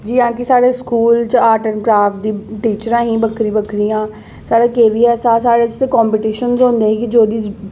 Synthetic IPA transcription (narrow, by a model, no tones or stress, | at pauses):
d͡ʒiːãːkɪsaːɽeːskuːlt͡ʃaːʈəɾkɾaːfʈ̚d̪iːʈiːt͡ʃəɾãːɦĩːbəkʰɾĩːbəkʰɾiːãː | saːɽeːkeːʋiːɛːsaːsaːɽeːt͡ʃt̪eːkɔ̃ːmpiːʈiːʃənzɦõːnd̪eːkɪd͡ʒoːd̪iː